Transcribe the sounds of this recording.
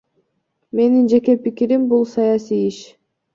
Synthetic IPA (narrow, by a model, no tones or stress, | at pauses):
me̞nind͡ʒe̞ke̞pikiɾimbulˠsɑjasijiʃ